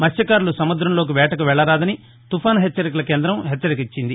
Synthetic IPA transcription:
mɐsjɐkaːɾulusɐmud̪ɾɐmlo̞ːk̬iʋɛːʈɐkɐʋɛɭːɐɾaːd̪ɐni | t̪upʰaːnɦet͡ʃːɐɾik̬ulɐkeːnd̪ɾɐmɦet͡ʃːɐɾik̬it͡ʃːind̪i

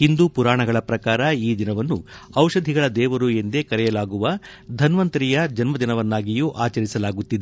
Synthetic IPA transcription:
hind̪upuɾaːɳɐɡɐɭɐpɾɐkaːɾɐiːd̪inɐʋɐnːu | ɐwʂɐd̪ʱiɡɐɭɐd̪ɛːʋɐɾuend̪ekɐɾɛjɐlaːɡuʋɐ | d̪ʱɐnʋɐnt̪ɐɾijɐd͡ʒɐnmɐd̪inɐʋɐnːaːɡijuʔaːt͡ʃɐɾisɐlaːɡut̪ːid̪e

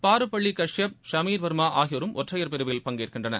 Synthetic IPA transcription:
paːɾɯpːɐɭːikɐʂjɐp̚ʂɐmiːɾʋɐɾɯmaːʔaːɣɪʋɐɾɯmʔɔʈrɐjɐɾpɛɾɯʋɪɪlpɐŋɡeːrkɪɳdrɐnɐ̰

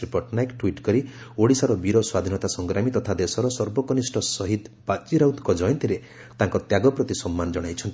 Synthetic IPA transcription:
ɾipɔɾʈnajkʈwiʈkɔɾi | oɽisaɾɔbiɾɔswad̪ʱinɔt̪asɔŋɡɾamit̪ɔt̪ʰad̪esɔɾɔsɔɾbɔkɔnisʈɔsɔɦid̪bat͡ʃiɾaut̪kɔd͡ʒɔjɔnt̪iɾe | t̪aŋkɔt̪jaɡɔpɾɔt̪isɔmːanɔd͡ʒɔɽ̃ajt͡ʃʰɔnt̪

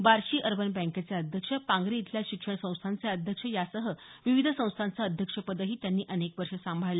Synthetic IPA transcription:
baɾɕiːʔəɾbənbə̃ŋket͡sjaəd̪ʱjəkʂəpãŋɡɾiːt̪ʰljaɕikʂəɳ̃sə̃w̃st̪ʰant͡seəd̪ʱjəkʂəjasəɦəʋiʋid̪ʱəsə̃w̃st̪ʰant͡saəd̪ʱjəkʂəpəd̪əɦiːt̪janːiːʔənekʋəɾʂəsãmbʱale

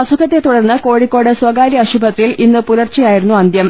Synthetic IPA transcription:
ɐsukʰɐt̪ːe̞t̪uɽɐrnːɨko̞ːɻikʲːo̞ːɽɨswɐɡaːɾjiɐɕubʱɐt̪ːilinːɨpulɐrt͡ɕːɐjaːjiɾunːuɐnd̪jɐm

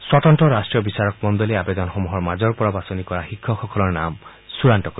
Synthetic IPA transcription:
swɔtɔnʈɔɾasʈɹijɔbisaɹɔk̚mɔnd̪ɔleabed̪ɔnɔxomuɦɔɹmad͡ʒɔɹpɔɹɔbasɔnikɔɹaxikʰːɔxɔkɔlɔɹnam | suɹanʈɔko

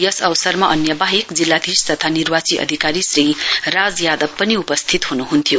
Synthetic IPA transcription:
jʌsʌwsʌrmaʔʌnjʌbaɦikd͡zilːad̪ʱist̪ʌt̪ʰanirwat͡siʔʌ̰d̪ʱikaɾisrirad͡zjad̪ʌb̚pʌniupʌst̪ʰit̪ɦunuɦunt̪ʰjo

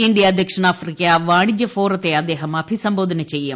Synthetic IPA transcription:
ɪɳɖijaːd̪əkʂəɳaːpʰɾikjaːʋaːɳ̃ɪd͡ʒəpʰoːɾt̪eɐd̪eːɦəmɐpʰisɐ̃mboːd̪ʱənet͡ʃɐie

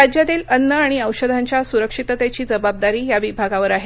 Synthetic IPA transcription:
ad͡ʑjat̪iːlənːəaɽ̃iəwɕəd̪ʱaɲt͡ɕjasuɾəkʂit̪ət̪jat͡ɕiːd͡zəbab̚d̪aɾiːjaʋibʱaɡaʋəɾaɦe

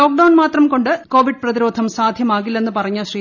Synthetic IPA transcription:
o̞ːk̚ɖɐwnmaːt̪rɐmko̞ɳɖɨko̞ːʋiɖ̚prɐðiɾo̞ːd̪ʱɐmsaːd̪ʱjɐmaːɣilːenːɨpɐrɐɲːaɕrij

